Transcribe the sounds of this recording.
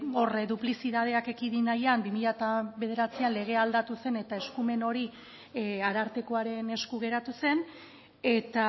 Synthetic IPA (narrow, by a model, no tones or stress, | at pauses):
orðuplisiðað̞e̞ake̞kiðinajambimiʎat̪aβe̞ð̞e̞ɾat͡sianle̞ɣ̞e̞ald̪at̪use̞ne̞t̪aeskume̞no̞ɾi | aɾaɾt̪e̞ko̞aɾe̞ne̞skuɣ̞e̞ɾat̪use̞n | e̞t̪a